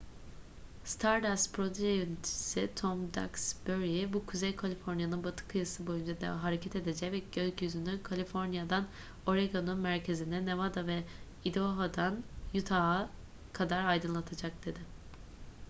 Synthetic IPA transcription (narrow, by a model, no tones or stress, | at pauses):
st̪ʰaɾd̪aspɾo̞d̪yʒejønit̪ʰi̥sit̪ʰomd̪a̰ksbøɾjibukʰuzejkʰalʲifo̞ɾnjanɯnbat̪ʰɯ̥kʰɯjɯsɯbo̞jynd͡ʒad̪a̰ɦaɾecʰɛt̪e̞d̪ed͡ʒɛcvɛɟøzʲcʰyzynykʰalʲifo̞ɾnjad̪an | o̞ɾeɡonunmæɾcʰe̞zinɛnevad̪avɛ | id̪oɦad̪anjut̪ʰaːa | kʰad̪aɾajd̪ɯnlˠat̪ʰad͡ʒak̚d̪̥e̞d̪ɪ